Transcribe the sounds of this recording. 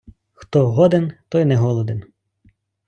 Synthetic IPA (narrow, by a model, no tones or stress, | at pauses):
xt̪ɔɦɔd̪ent̪ɔjnɛɦɔlˠɔd̪en